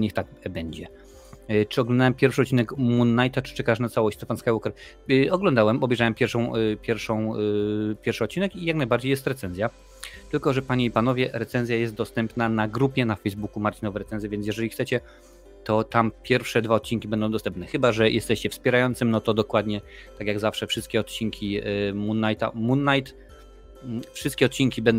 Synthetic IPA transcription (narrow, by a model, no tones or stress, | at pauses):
ɲɛxt̪aɡ̚ | bɛɲd͡ʑɛ | t͡ʂɘɔɡlɔnd̪awɛmpʲjɛɾfʂɨɔt̪̚t͡ɕːinɛkmunːajt̪at͡ʂɘ̥t͡ʂɛkaʂnat̪sawɔɕt͡ɕʲt̪ɛpanskajwɔkɛɾ | ɔɡlɔnd̪awɛmɔbɛjʐawɛmpʲjɛɾfʂɔ̃w̃pʲjɛɾfʂɔ̃w̃pʲjɛɾfʂɨɔt̪̚t͡ɕːinɛkijaknajbaɾd͡ʑejɛst̪ɾɛt̪sɛnzʲja | t̪ɘlkɔʐɛpaɲeipanɔvʲjɛɾɛt̪sɛnzʲjajɛst̪̚d̪ɔst̪ɛmpnanaɡɾupʲjɛnafɛjzbukumaɾt͡ɕinɔvɛɾɛt̪sɛnzʲjɛvʲjɛns̬ʲjɛʐɛlʲixt̪sɛt͡ɕɛ | t̪ɔt̪ampʲjɛɾfʂɛd̪vaɔt̪̚t͡ɕinkʲibɛnd̪ɔ̃w̃d̪ɔst̪ɛmpnɛxɘbaʐɛjʔɛst̪ɛɕt͡ɕɛfspʲɛɾajɔnt̪sɘmnɔt̪ɔd̪ɔkwad̪ɲɛt̪akʲjaɡzafʂɛfʂɘst̪kʲɛɔt̪̚t͡ɕiŋkʲimunːajt̪a̰munːajt̪ | fʂɨst̪kʲɛɔt̪̚t͡ɕiŋkʲibɛn